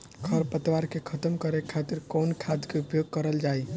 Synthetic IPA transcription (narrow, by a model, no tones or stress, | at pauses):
ɡʰʱəɾpət̪waɾkekʰət̪əmkəɾekʰat̪iɾkonkʰad̪keupjoɡ̚kəɾəld͡ʒaj